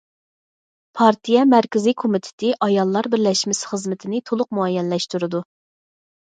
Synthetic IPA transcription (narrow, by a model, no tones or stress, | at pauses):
pʰɑɾt̪ʰijɛmæɾkʲɪzikʰomit̪ʰɪ̥t̪ʰɪʔɑjɑlˠːɑɾbɪɾlɛʃmɪsχəzmɪt̪ʰɪnɪt̪ʰolˠʊq̚muɑjɛnlɛʃt̪uɾɨd̪u